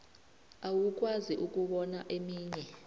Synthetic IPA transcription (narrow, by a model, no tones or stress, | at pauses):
awuk̬ʼwaziʔuk̬ʼuɓɔnaʔemiːɲɛ